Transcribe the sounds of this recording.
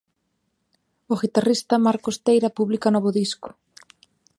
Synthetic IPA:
oɣit̪arist̪ɐmaɾkost̪ejɾɐpuβlikanɔβʊðiskʊ̥

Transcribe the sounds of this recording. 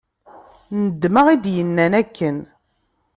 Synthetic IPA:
nəd̪ːməʁid̪jənːænækːən

